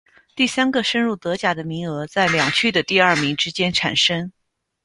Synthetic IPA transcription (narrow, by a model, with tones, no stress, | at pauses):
t̪i˥˩sa˥nɡə˧ʂə˥nɻu˥˩t̪ɤ˧˥t͡ɕja˨˩d̪ə˦mi˧˥ŋɤ˧˥t͡sa˥˩ɪljɑ˨˩ŋt͡ɕʰy˥˩d̪ə˩t̪i˥˧ɐ˞˥˩mi˧˥ŋʈ͡ʂɻ̩˥t͡ɕjɛ˥nʈ͡ʂʰa˨˩nʂə˥ŋ